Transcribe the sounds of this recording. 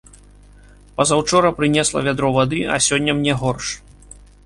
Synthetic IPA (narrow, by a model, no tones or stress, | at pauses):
pɐzɐwt͡ʂɔɾɐpɾɨnʲɛslˠɐ̰vʲad̪ɾɔvad̪ɨɐ̰sʲɔnʲːɐmnʲɛɣɔrʂ